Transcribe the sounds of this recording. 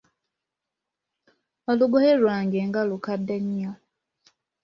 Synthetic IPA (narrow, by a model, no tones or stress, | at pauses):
oluɡohelwaːŋɡeŋɡalukadːeɲːo